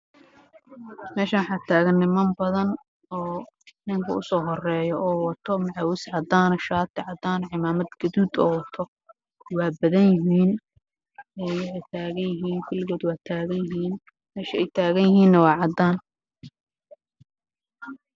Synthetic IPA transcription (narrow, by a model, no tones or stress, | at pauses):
mɛːʃɐwħɑːt̪ʰaːɣɐnːɪmɐmbɐðɐn | ɔː | nɪŋkʰɐ̰ʊ̰sɔːɦɔrɛːjɔʔɔːwɐt̪ʰɔmɐʕawɪsʕɑd̪aːnɔʃaːt̪ʰɪʕɑd̪aːnʕɪmaːmɐd̪ɡɐðuːd̪ɔ̰ːwɐt̪ʰɔ | wɑːbɐðɐnjɪɦiːn | ɛjwɪħɛjt̪ʰaːɣɐnjɪɦiːnkʰɐlɪɣɔːd̪waːt̪ʰaːɣɐnjɪɦiːn | mɛːʃɐɛjt̪ʰaːɣɐnjɪɦiːnːɐwɑːʕɑd̪aːn